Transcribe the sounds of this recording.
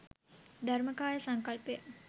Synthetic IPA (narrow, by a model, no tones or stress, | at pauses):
d̪ʱɐɾməkaːjəsɐŋkɐlpjə